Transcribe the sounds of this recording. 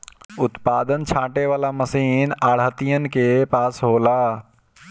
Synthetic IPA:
ʊt̪paːd̪ənt͡ʃʰãːʈeʋaːlaməsiːnaːɽ̤ət̪ijənɪ̆kʰepaːsɦoːlaː

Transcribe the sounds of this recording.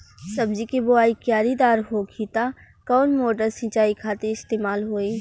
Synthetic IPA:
sɐbd͡ʒikibʊaːikjaːɾid̪aːɾɦoːkʰit̪a | kɔːnmoːʈəɾsɪ̃t͡ʃaːikʰaːt̪eɪst̪eːmaːlɦoːiː

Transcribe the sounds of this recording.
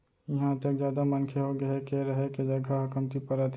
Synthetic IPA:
jɐɦãt̪əkzjaːd̪amɐnkʰeɦoɡɐekeɾɐɦeked͡ʒɐɡʱaɦʊkəmt̪ipəɾat̪

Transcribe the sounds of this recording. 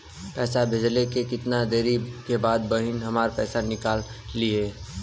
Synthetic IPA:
pɛːsabʱed͡ʒlekekɪt̪nad̪eːɾikebaːd̪̚bəɦɪnɦɐmaːɾpɛ̰ːsanɪkaːlːieː

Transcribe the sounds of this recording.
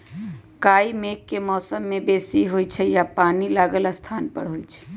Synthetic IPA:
kaimekːemɔːsəmːebesiɦojt͡ʃʰɛjapanilaɡəlast̪ʰanpə̰ɽɦojt͡ʃʰɛ̥

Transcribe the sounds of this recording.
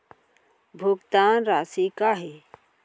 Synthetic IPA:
bʱʊɡt̪aːnɾaːsikaɦe

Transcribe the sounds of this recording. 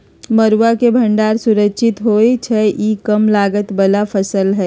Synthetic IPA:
məɾwakebʱɐ̃ɳɖaːɾsʊɾəkːʃʰɪt̪ɦoːet͡ʃʰɛʔiːkəmlaːɡət̪bɐlafɐsəlɦɛː

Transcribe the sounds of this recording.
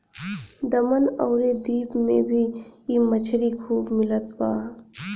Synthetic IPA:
d̪ɐmənɔːʊɾed̪iːbmḛ̃bʱiiːmət͡ʃʰɾikʰuːbmɪlət̪baː

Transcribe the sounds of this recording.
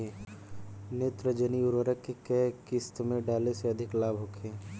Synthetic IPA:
e | net̪ɾəd͡ʒəniʊɾʋəɾəkːekɛɦkɪst̪mẽɖaːleseɐd̪ʱɪklaːbʱɦoːkʰẽː

